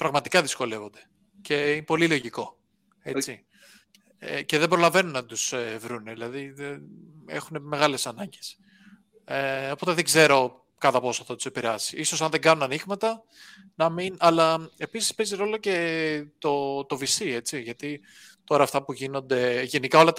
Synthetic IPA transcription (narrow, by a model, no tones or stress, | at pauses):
pɾɐɣmɐt̪ikɐðisko̞le̞vo̞nd̪e̞ | ce̞inepo̞lilo̞ʝiko̞ | e̞t͡si | ḛce̞ðebɾo̞lɐve̞nunːɐt̪usevɾunðilɐðiðeḛxune̞me̞ɣɐle̞sɐnɐɲɟe̞s | eo̞po̞t̪eðeɡze̞ɾo̞ | kɐt̪ɐpo̞soθɐt̪u̥se̞piɾeɐsiʔiso̞sɐnðe̞ɡɐnunɐniɣmɐt̪ɐ | nɐminɐlɐe̞pisi̥spe̞ziɾo̞lo̞ce̞t̪o̞t̪o̞visie̞t͡siʝɐt̪i | t̪o̞ɾɐːft̪ɐpuʝino̞nd̪e̞ʝe̞nikɐo̞lɐt̪